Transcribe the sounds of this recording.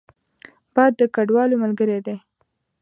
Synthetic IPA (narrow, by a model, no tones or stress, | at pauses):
b̥ɑjd̪ːəkaɖwɑlomalɡəɾed̪e